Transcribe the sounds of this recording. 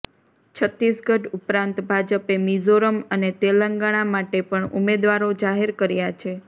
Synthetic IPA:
t͡ʃʰət̪isɡʱəʈupɾãnt̪bʱad͡ʒəpemizoɾəmənet̪eləŋɡaɽ̃amaʈepəɳumed̪ʋaɾod͡ʒaɦeɾkəɾjat͡ʃʰe

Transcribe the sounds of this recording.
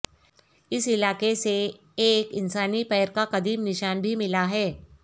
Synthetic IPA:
ɪsɪlaːkese | eːkɪnsaːnipɛːɾkaqɐd̪iːbnɪʃaːnbʱimɪlaɦɛː

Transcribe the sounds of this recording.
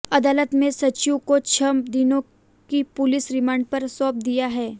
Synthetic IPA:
ɐd̪aːlət̪mẽsɐt͡ʃjũkot͡ʃʰɐmd̪ɪnõ | kipʊlɪsɾɪmaːɳɖ̚pɐɾsɔːp̚d̪ijaɦɛː

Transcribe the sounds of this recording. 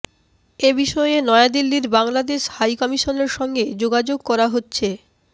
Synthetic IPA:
ebiʃɔeenɔead̪ilːiɾbaŋlad̪eʃhajkɔmiʃoneɾʃɔŋɡed͡ʑoɡad͡ʑoɡ̚kɔɾaɦotːɕʰe

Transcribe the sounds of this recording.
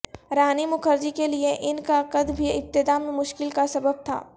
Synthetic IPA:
ɾaːnimʊkʰəɾd͡ʒikelieʔɪnkaqəd̪bʱiɪb̚t̪ɪd̪aːmmʊʃkɪlkasɐbəb̚t̪ʰa̰ː

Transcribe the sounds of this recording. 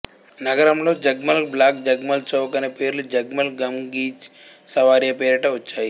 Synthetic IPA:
nɐɡɐɾɐmloːd͡ʒɐɡmɐlblaːk̚d͡ʒɐɡmɐlt͡ʃɐʋkɐnepeːɾld͡ʒɐɡmɐlɡɐmɡiːt͡ʃ | sɐʋaːɾjɐpeːɾɐʈɐut͡ʃaːi

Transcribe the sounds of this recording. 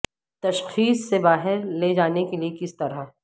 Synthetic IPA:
t̪ɐʃxiːsːebaːɦɪɾleːd͡ʒaːnekeliekɪst̪ɐɾə

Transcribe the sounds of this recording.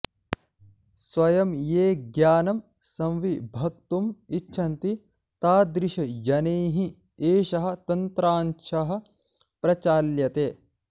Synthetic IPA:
sʋɐjɐmjeːɡjaːnɐm | sɐmʋibʱɐk̚t̪umit͡ʃːʃʰɐnt̪i | t̪aːd̪ɾiʃɐjɐneːɦi | eːʃɐɦɐ̆t̪ɐnt̪ɾaːnʃʰɐɦɐ̆ | pɾɐt͡ʃaːljɐt̪eː

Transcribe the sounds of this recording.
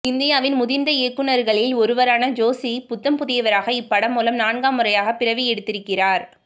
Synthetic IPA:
ɪnd̪ɪjaːʋɪnmʊðɪɾnd̪ɐɛːkːɯnɐɾɣɐɭɪlɔɾɯʋɐɾaːnɐd͡ʒoːsipʊt̪ːɐmpʊðɪjɐʋɐɾaːɣɐɪpːɐɽɐmːuːlɐmnaːɳɡaːmɯrɐjaːɣɐpɪrɐʋɪjɛɽɯt̪ːɪɾɯkːɪraːɾ

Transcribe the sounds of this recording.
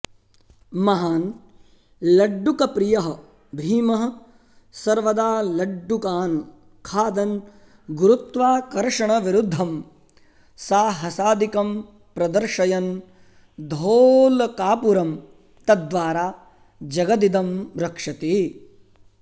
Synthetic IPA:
mɐɦaːn | lɐɖːukɐpɾijɐɦɐ | bʱiːmɐɦɐ̆ | sɐɾʋɐd̪aːlɐɖːukaːn | kʰaːd̪ɐn | ɡuɾut̪ʋaːkɐɾʂɐɳɐʋiɾud̪ʱːɐm | saːɦɐsaːd̪ikɐm | pɾɐd̪ɐɾʂɐjɐn | d̪ʱoːlkaːpuɾɐm | t̪ɐd̪ʋaːɾaː | d͡ʒɐɡɐd̪id̪ɐmɾɐkʂɐt̪iː

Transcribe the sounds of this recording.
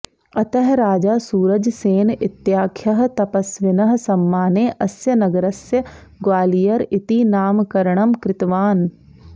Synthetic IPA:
ɐt̪ɐɦɾaːd͡ʒaːsuːɾəd͡ʒseːnɪt̪jaːkʰjɐɦt̪ɐpɐsʋɪnɐɦsɐmːaːneːʔɐsjɐnɐɡəɾɐsjə | ɡwaːlijɐɾɪt̪inaːmkɐɾɳ̃ɐmkɾɪt̪ʋaːn

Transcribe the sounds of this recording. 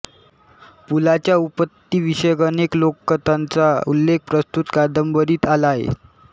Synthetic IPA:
pulat͡ɕjaupət̪ːiːʋiɕəjəkəneklokːət̪ant͡saṵlːek̚pɾəst̪ut̪kad̪əmbəɾiːt̪alaɦḛ

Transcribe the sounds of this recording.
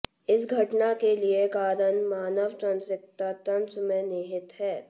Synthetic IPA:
ɪsɡʱɐʈnakeliekaːɾənmaːnəʋtə̃nsɪk̚t̪at̪ɐnsəmẽneːɦɪt̪ɦɛː

